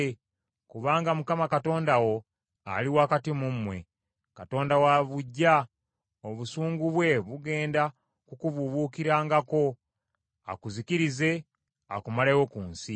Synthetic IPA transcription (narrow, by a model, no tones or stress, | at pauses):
kuβaːŋɡamukamakato̞ːndawo̞ | a̰liwakatimumwe̞̰ | kato̞ːndawaβuɟːa | o̞βusuːŋɡuβwe̞βuɡe̞ːnda | kukuβuβuːkiɾaːŋɡako̞ | a̰kuzikiɾize̞ | a̰kumalejokuːnsi